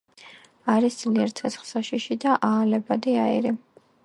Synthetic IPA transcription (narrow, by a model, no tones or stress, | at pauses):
aɾisd̪z̥liɛɾt̪ʰɛt̪sʰχlˠsaʃiʃid̪aʔaːlɛbad̪iaḭɾi